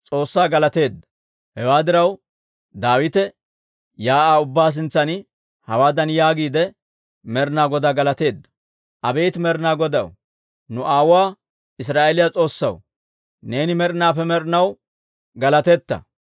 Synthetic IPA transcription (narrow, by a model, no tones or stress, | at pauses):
t͡sʼo̞ːsːaːɡɐlɐt̪e̞ːd̪ːɐ̥ | hɛwaːd̪ɪɾɐw | d̪aːwɪt̪ɛ | jaːʔaːʊbːaːs̬ɪnt͡sːɐn | hɐwaːd̪ɐnjaːɡiːd̪ɛ | mɛɾnaːɡɔd̪aɡɐlɐt̪e̞ːd̪ːɐ̥ | ʔɐbeːt̪mɛɾnaːɡɔd̪ɐ̰w | nʊʔaːwʊaː | ɪs̬ɾaːʔelɪjat͡sʼo̞ːsːɐ̰w | ne̞ːnɪmɛɾnaːfɛmɛɾnɐw | ɡɐlɐt̪ɛt̪ːɐ̰